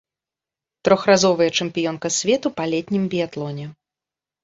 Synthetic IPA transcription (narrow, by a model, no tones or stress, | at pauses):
t̪ɾɔxrazɔvɨjɐt͡ʂɨmpʲijɔnkɐsʲvʲɛt̪upalʲɛt̪ʲnʲimbʲijat̪lˠɔnʲɛ